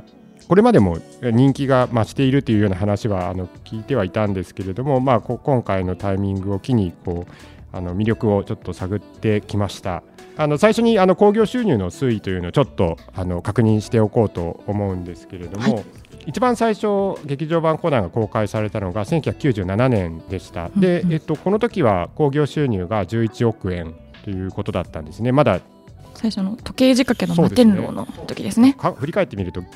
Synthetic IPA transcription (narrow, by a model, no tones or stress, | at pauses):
ko̞ɾe̞mad̪e̞mo̞̰ | ɲ̟ĩŋkʲiɡamaɕi̥t̪e̞iɾɯ̟t̪ːe̞jɯ̟jo̞ːnaɦanaɕiβaa̰no̞kʲiːt̪e̞β̞ait̪ãnd̪e̞sɨ̥ke̞ɾe̞d̪o̞mo̞maːkokõ̞ŋkaino̞t̪aimʲĩŋɡɯ̟o̞kʲiɲ̟iko̞ː | a̰no̞mʲiɾʲo̞kɯ̟o̞t͡ɕo̞t̪ːo̞saɡɯ̟t̪ːe̞kʲimaɕi̥t̪a̰ | ano̞saiɕo̞ɲ̟iano̞ko̞ːɡʲo̞ːɕɨːɲʲɨːno̞sɨit̪o̞jɯ̟noot͡ɕo̞t̪ːo̞ | ano̞kakɯ̟ɲ̟ĩɰ̃ɕi̥t̪e̞o̞ko̞ːt̪o̞̰ːmo̞ɯ̟̃nd̪e̞sɨ̥ke̞ɾe̞d̪o̞mo̞ | it͡ɕibãɰ̃saiɕo̞ɡe̞kʲiʑo̞ːbãŋko̞ːnãŋɡako̞ːkaisaɾe̞t̪ano̞ɡasẽ̞ŋkʲy̟çakɯ̟̥ɨːʑɨːnananẽ̞nd̪e̞ɕi̥t̪a̰d̪e̞ːt̪ːo̞ko̞not̪o̞kʲiβ̞a̰ko̞ːɡʲo̞ːɕɨːɲ̟ɨːɡad͡ʑɨːit͡ɕio̞kɯ̟ẽ̞n | t̪o̞jɯ̟ːko̞t̪o̞d̪a̰t̪ːã̰nd̪e̞sɨne̞mad̪a | saiɕonot̪o̞ke̞ːʑikakenosoːd̪et̪ẽnɾo̰ːno̰t̪o̞kʲid̪esɨnekʰãɸɯ̟ɾʲikae̞t̪ːemʲiɾɯ̟t̪o̞